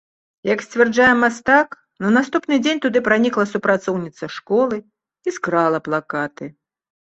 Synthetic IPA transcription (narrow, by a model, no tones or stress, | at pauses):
jɐksʲt͡sʲvʲɛrd͡ʐajɛmast̪ak | nɐnast̪upnɨd͡zʲenʲt̪ud̪ɨpɾanʲiklˠɐsupɾat̪sɔwnʲit̪sɐʂkɔlˠɨ | iskɾalˠɐplˠakat̪ɨ